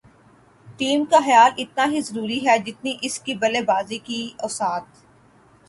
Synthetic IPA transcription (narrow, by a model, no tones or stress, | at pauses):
ʈiːmkaxɐjaːlɪt̪̚naɦizɐɾuːɾiɦɛd͡ʒɪt̪niʔɪskibɐlebaːzikiɔːsaːt̪